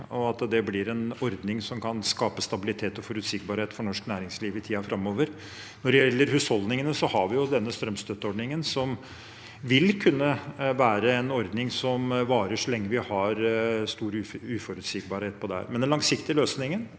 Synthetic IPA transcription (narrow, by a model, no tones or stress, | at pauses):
ɔɑt̪d̪ɛblɪɾɛnɔɾd̪nɪŋsɔmkʰɑnskɑːpəst̪ɑbɪlɪt̪ʰeːt̪ɔfɔɾʉt̪sɪkbɑɾheːt̪fɔɳɔʂknæːɾɪŋsliːʋɪt̪ʰiːɑfɾʔɑmːoːʋəɾ | nɔɖɛjɛlːəɾhʉːshɔld̪nɪŋənəsɔhɑɾʋɪjʊd̪ɛnːəst̪ɾœmst̪ʰœt̪ːəɔɖnɪŋənsɔm | ʋɪlkʰʉnːəʋæːɾəɛnɔɾd̪nɪŋsɔmʋɑːɾəʂɔlɛŋːəʋɪhɑɾst̪uːɾʉːfɔɾʉt̪sɪkbɑɾheːt̪̚pʰɔd̪ɛhæ̰ɾmɛnɛnlɑŋsɪkt̪ɪløːsnɪŋən